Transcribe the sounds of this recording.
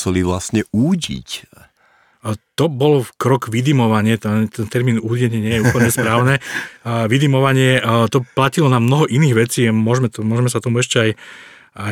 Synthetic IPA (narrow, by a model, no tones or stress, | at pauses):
sɛliʋlastɲɛuːɟḭc | t̪ɔbɔlkɾɔkʋid̪imɔʋaɲɪɛt̪t̪ɛnt̪ɛɾmiːnuːɟɛɲɪɛɲɪɛjɛuːpl̩ɲɛspɾaːʊnɛʋid̪imɔʋaɲɪɛt̪ɔplacilɔnamnɔɦɔʔiniːɣʋɛt͡siːmʊɔʒmɛt̪mʊɔʒmɛsat̪ɔmuɛʃcɛaj | a